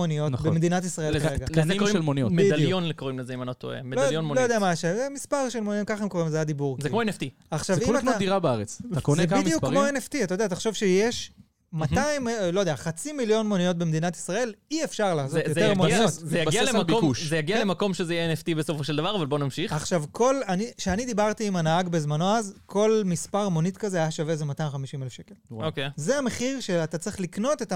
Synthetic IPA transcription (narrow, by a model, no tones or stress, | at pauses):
onijo̞tnbemed̪inat̪isʁaeeɡankilmonijomedaljo̞nlekoimlezeimanot̪o̰ḛmedlaljonmolojodeamaʃezemispaʁʃelmonijokaχemko̞ʁimzajad̪ibuʁzekmoeneft̪i | aχʃavvimod̪iʁabeaʁet͡stakonebmjukːmoeneft̪iat̪ajodeaːt̪aχʃovʃejeʃ | mat̪aimlo̞jd̪eaχat͡similjo̞nmo̞nio̞t̚bemed̪inat̪i̥sʁae̞liefʃaʁlaːsoejotemoniotzejaialemabomuʃzejaɡialemako̞mʃezejeneft̪ibesofoʃeld̪avaʁavalbo̞namʃiχaχʃavkʰo̞laniʃeanid̪ibaʁt̪iːmanaaɡbezmano̞azkʰo̞lmispaʁmonit̪kazeajaʃavezemat̪ajmχamiʃimelefʃe̞kelokezeame̞χiʁʃeat̪at͡sʁiχlikno̞te̞t̪a